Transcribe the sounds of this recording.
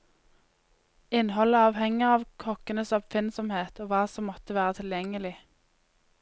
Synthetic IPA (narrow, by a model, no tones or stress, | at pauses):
ɪnɦɔləɑːʋhɛŋəʁɑːʋkʰɔkənəsɑpfɪnsɔmheːt̪ʰoːʋɑːsɔmːɔt̪əʋæːʁət̪ʰɪljɛŋəlɪ